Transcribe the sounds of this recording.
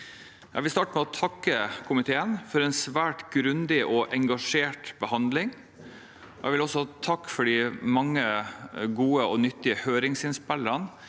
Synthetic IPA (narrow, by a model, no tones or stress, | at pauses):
jʔæ̰ʋɪst̪ɑːʈəmɛɔt̪ʰɑkːəkʰʊmɪt̪ʰeːənfɔɾɛnsʋæːʈɡɾʉnd̪ɪʔɔʔɛŋɡɑʂeːʈbəhɑnd̪lɪŋ | jɛɪʋɪlɔsːɔt̪ʰɑkːfɔɖɪmɑŋːəɡuːəɔnʏt̪ːɪəhøːɾɪŋsɪnspɛlːəɾən